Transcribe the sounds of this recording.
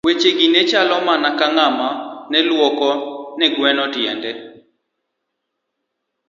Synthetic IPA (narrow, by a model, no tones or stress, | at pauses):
wet͡ʃeɡinet͡ʃalɔmanakaŋamanɛlwɔkɔnɛɡwɛnɔtjɛ̰ndɛ